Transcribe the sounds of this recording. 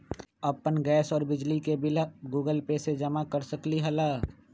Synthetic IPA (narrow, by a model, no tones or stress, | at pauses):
əpːənɡɛːsɔːɾbɪd͡ʒlikebɪlaɡuːɡəlpesed͡ʒɐmakəɾsəkliɦɐlaː